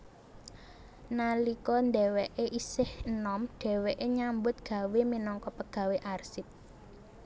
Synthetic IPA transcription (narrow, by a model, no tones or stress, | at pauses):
nalikɔnd̪ɛwɛʔeʔisɪhənɔmɖ̥ɛ̤wɛʔeɲambʊt̪̚ɡ̥a̤weminɔŋkɔpəɡ̥ä̤weʔarsɪp̚